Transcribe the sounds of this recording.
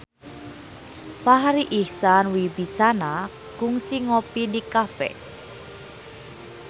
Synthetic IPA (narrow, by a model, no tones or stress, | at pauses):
faɦaɾiʔihsanwibisana | kuŋsiŋopidikafɛ̰